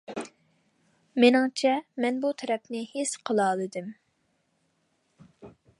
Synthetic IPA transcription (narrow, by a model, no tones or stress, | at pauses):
mɪnɨŋt͡ʃʰɛmɛnbut̪ʰɛɾɛpnɪhesqʰəlˠɑːlˠɨd̪ɨm